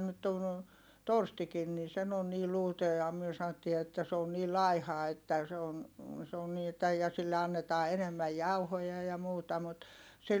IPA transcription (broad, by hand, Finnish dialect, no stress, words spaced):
nyt ton torstikin nin̞ sen on niː luːtɑ jɑ myø sɑn̆otːiː etːæ se on niː lɑihɑ etːæ se on se on niː etːæ jɑ silːe ɑnːetɑː enemːæj jɑuhojɑ jɑ muːtɑ mut se